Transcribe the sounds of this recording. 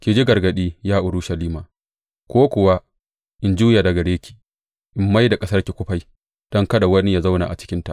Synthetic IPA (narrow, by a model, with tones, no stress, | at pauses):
kʲeː˨d͡ʒi˦ɡɐ˨rɡɐ˨ɗiː˦jaː˦ʔʊ˨ɾʊ˦ʃɐ˨liː˦maː˨ | kʷoː˦kʷʊ˨wa˦ | ʔɪ˨nd͡ʒuː˦jaː˨da˨ɡɐ˨ɽeː˦kʲi̥ː˨ | ʔɪ˦mːa˦jda˨kʼɐ˦sɐ˦rkʲi˨kʷʊ˦ɸa˦j | d̥ɔ˦ŋkɐ˦da˨wɐ˦ni˦ja˨za˦wna̰˨ʔa̰˨t͡ʃɪ̥˦kʲɪ˦nta̰˨ʔ